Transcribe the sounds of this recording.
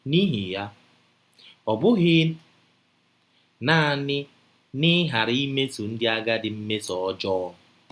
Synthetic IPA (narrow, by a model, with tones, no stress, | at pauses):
ni˦ɦi˨ja˦ | ɔ˨bʊ˦ɣɪ˦ | na˦˨a˨nɪ˦ | nɪ˦ɦa˨ɾi˦me˦tu˨n̩˦dɪ˦a˦ɡa˦dɪ˨m̩˦me˦tɔ˨ɔ˦d͡ʒɔ˦